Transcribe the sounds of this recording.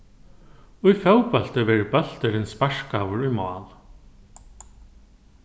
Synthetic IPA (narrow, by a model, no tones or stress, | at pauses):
ujfœwpɛl̥t̪ɪvɛɾɪpœl̥t̪ɪɾɪnspaʂkaːwʏɾujmɔ̰ːl